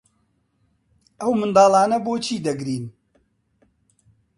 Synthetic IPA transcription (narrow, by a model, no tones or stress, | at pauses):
ʔɐwmɨnd̪ɑːlˠaːnɐboːt͡ʃʰiːd̪ɐɡɾiːn